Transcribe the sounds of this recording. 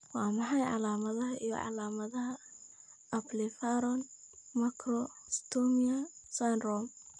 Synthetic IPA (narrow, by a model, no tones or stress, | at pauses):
wɑːmɑħɑjʕɑ̰laːmɐðɐɦɐʔijɔ̰ʕɑ̰laːmɐðɐɦɐ | ɐplifaɾɔn | mɐkʰɾɔst̪ʰɔmiɐsanrɔm